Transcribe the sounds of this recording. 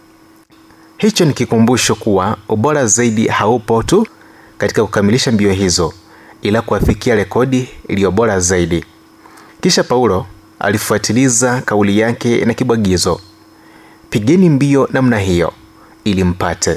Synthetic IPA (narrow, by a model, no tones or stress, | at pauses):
hit͡ʃɔnikikumbuʃɔkuwauɓɔɾazaiɗḭhaupɔtu | kati̥kaku̥kamiliʃambiɔɦizɔ | ilakuafikiaɾɛkɔɗiːlijɔɓɔɾazaiɗi | kiʃapauɾɔ | a̰lifuatʰilizakaulijakɛnakiɓwaɠizɔ | piɠɛnimbiɔnam̩naɦijɔ̰ | ilim̩patʰɛ